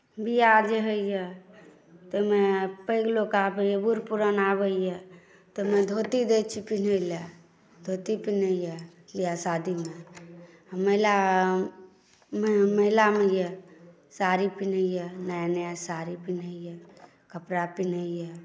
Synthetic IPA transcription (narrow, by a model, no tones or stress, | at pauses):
bijad͡ʒeɦəjje | t̪ɔmepəɪɡlokabəjɛbuɾpuɾənaβəjjɛ | t̪omed̪ʱot̪id̪et͡ʃʰipin̤əle | d̪ʱot̪ipinəjje | lijasad̪ʱime | məla | mməilamejɛ | saɾipinəjɛnajnəasaɾipinəjjɛ | kəpɾapin̤əjɛ